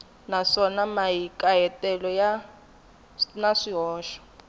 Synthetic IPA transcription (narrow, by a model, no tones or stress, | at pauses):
naʂɔnamajikʼajɛtʼɛlɔja | naʂiɦɔːʃɔ̥